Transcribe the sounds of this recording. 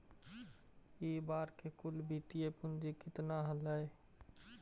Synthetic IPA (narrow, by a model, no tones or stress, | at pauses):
iːbaːɾkekʊlbʱiːt̪ijepʊnd͡ʒikɪt̪naɦələe